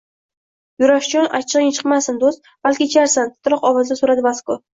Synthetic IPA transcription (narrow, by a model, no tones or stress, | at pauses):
jʊɾaʃt͡ʃɒnʔa̰t͡ʃʰɪʁɪŋt͡ʃʰɨ̥qmasɪnd̪ost̪̚ | b̥alkʲɪt͡ʃʰaɾsant̪ʰʊ̥t̪ʰɾɒqɒwɒzd̪asʊɾad̪ɪvasko